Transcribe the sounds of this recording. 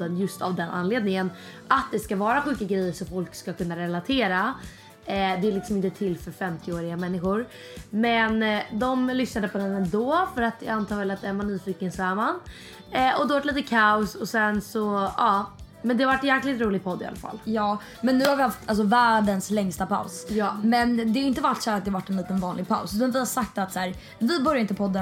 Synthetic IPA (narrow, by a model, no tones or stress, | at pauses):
d̪ənjɵst̪avd̪ɛnʔa̰nleːd̪nɪŋən | at̪̚d̪ɛskavɑːɾaɧʉ̟ːkaɡɾɛjːəʂɔmfɔlkskakɵnːaɾɛlat̪ʰeːɾa | ɛd̪ɛːlɪksɔmɪnt̪ət̪ʰɪlːfœɾfɛmt̪ʰɪoːɾɪɡamɛnːɪɧʊɾ | mɛnd̪ɔmlʏsnad̪əpʰɔd̪ɛnɛnd̪ɔːfœɾat̪ja̰ant̪ʰɑːɾvɛlat̪̚d̪ɛæɾmanːyːfiːkənsɔæːman | ʔɔd̪ɛvaʈliːt̪əkʰaʊsɔsɛnsɔɑː | mɛnd̪ɛhavaʈːjæːɾklɪɡənɾuːlɪɡ̚pʰɔd̪ːɪ̰a̰lafa̰lːjɑː | mɛnːʉ̟ːhaɾvɪhaft̪ʰals̬ɔvæːɖənslɛŋst̪apʰa̰ʊsjmɛnd̪ɛaɾɪnt̪əvaʈːsæːɾat̪d̪ɛhavaʈːɛnliːt̪ənvɑːnlɪɡ̚pʰa̰ʊsʉ̟ːt̪anvɪhasak̚t̪at̪sæːɾ | vɪbœɾjaɪnt̪əpʰɔd̪ːə